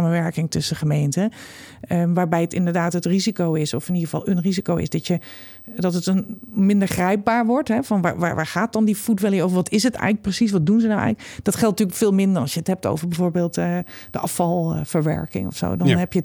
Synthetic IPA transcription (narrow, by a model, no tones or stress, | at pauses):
aːmənʋɛɹkɪŋtʏsəχəmejntəəʋaːɹbɛjətɪ̰ndəɹdaːtɦətrizikowɪsɔfɪniχəvɑ̰lˠənrizikowɪ̰sdɑtjə | dɑtətənmɪndəɹχrɛjp̚baːɹʋɔɹtɦɛvɑnʋa̰ʋa̰ːʋaːɹχaːt̚dɑndifutʋɛlˠiovəɹʋɑtɪsətɛ̰jɣələk̚prəsis̬ʋɑt̚dunzənawɛ̰jχləkdɑtχɛlˠtnətyːɹləkfɪːlˠmɪndəɹɑlˠsjəətɦɛp̚to̰wvəɹbɛvoːɹbeːlˠtəd̥əʔɑfɑlˠv̥əɹʋɛ̰ɹkɪ̰ŋɔ̰fso̰wdɑnnɦɛpjə